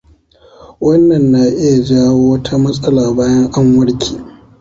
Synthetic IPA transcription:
wɐ˦nːɐ˨nːa˨ʔɪ˦ja˨d͡ʒaː˦woː˦wɐ˦tʰa˦mɐ˦sʼɐ˦laː˨baː˦jɐ˦ŋʔa˦ŋwɐ˦ɽkʲʰe̥ː˨

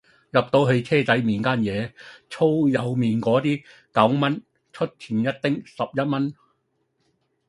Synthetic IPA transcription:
jɐ˨p̚t̪o˧wɦe˧ɥt͡sʰɛː˥t͡sɐ˨˥jmiː˨˩nkaː˥njɛː˨˧t͡sʰo˥wjɐ˨˧wmiː˨˩nkɔː˨˥t̪iː˥ | kɐ˨˥wmɐ˥n | t͡ʃʰɵ˥t̚t͡sʰiː˨˩njɐ˥t̚t̪ɪ˥ŋsɐ˨p̚jɐ˥t̚mɐ˥n

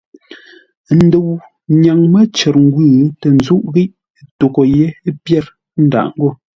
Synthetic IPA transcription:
n̩˦de˨w | ɲa˨ŋmə˦t͡ʃɛ˨ɾŋ̩˦ɡwʉː˦˨˦tɛ˨n̩˦zu˦ʔɣi˦ʔ | to˨ko˨je˦pjɛ˦˨ɾ | n̩˦da̰˨ʔŋ̩˦ɡo˦˨

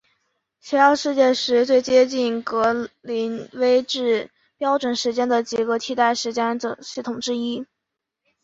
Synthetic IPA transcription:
ɕʰɛ˧˥ɑ˥˧ʊʂɻ̩˥˧t͡ɕjɛ˥˩ʂɻ̩˧˥t͡swe˥˩ɪt͡ɕjɛ˥t͡ɕi˥˩nkɤ˧˥li˧˥nwe˥ɪʈ͡ʂɻ̩˥˩ | pjɑ˥ʊʈ͡ʂwə˨˧˩nʂɻ̩˧˥t͡ɕjɛ˥nd̪ə˨t͡ɕi˨˩ɡə˧t̪ʰi˥˩t̪a˥˩ɪʂɻ̩˧˥t͡ɕjɛ˥n˧ɕi˥˩t̪ʰʊ˨˩ŋʈ͡ʂɻ̩˥i˥

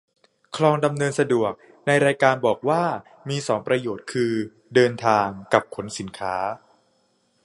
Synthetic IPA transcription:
kʰlɔː˧ŋda˧mnɤː˧nsa˧du˨˩ək̚ | na˧jɾaː˧jkaː˧nbɔː˨˩k̚waː˥˩ | miː˧sɔː˩˦ŋpɾa˧joː˨˩t̪̚kʰɯː˧ | dɤː˧nt̪ʰaː˧ŋka˨˩p̚kʰo˩˦nsi˩˦nkʰaː˦˥

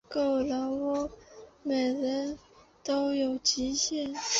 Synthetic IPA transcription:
ko˥˩ʊla˧˥ŋwɔ˥˩me˨˩ɪɻə˧˥n | t̪o˥ʊjo˨˩ʊt͡ɕi˧˥ɕjɛ˥˩n

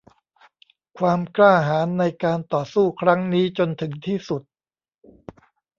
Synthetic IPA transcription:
kʰwaː˧mklaː˥˩ɦaː˩˦nːa˧jkaː˧nt̪ɔː˨˩suː˥˩kʰɾa˦˥ŋniː˦˥t͡ɕo˧nt̪ʰɯ˩˦ŋt̪ʰiː˥˩su˨˩t̪̚

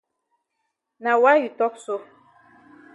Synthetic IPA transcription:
na˨wa˦ju˨tɔ˦k̚so˦

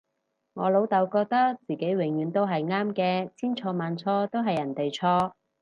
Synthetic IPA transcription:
ŋɔː˨˧lo˨˧˥wt̪ɐ˨˧wkɔː˧k̚t̪ɐ˥k̚t͡siː˨˩ke˨˥jwɪ˨˩ŋjyː˨˧nt̪o˥wɦɐ˨jŋaː˥mkɛː˧t͡sʰiː˥nt͡ʃʰɔː˧maː˨˧nt͡sʰɔː˥t̪o˥wɦɐ˨jːɐ˨˩nt̪e˨jt͡sʰɔː˥

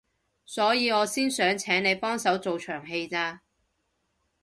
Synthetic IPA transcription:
sɔː˨˥jiː˨˧ŋɔː˨˧siː˥nsœː˨˥ŋt͡sʰɛː˨˥ŋne˨˧jpɔː˥ŋsɐ˨˥wt͡so˨wt͡ʃʰœː˨˩ŋɦe˧jt͡saː˧

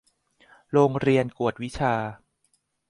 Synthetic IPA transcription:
ɾoː˧ŋɾi˧ənku˨˩ət̪̚wi˦˥t͡ɕʰaː˧

